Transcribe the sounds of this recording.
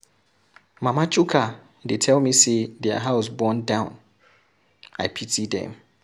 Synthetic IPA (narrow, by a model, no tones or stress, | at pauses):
mãmãt͡ʃʰukʰa | detʰɛlmĩsedɛa̰ɦaʊsbɔ̃ndãʊ̃n | aɪpʰitʰidɛ̰̃m